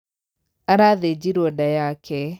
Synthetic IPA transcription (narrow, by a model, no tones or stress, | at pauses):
aɾaðed͡ʒiɾɔdajakʰɛ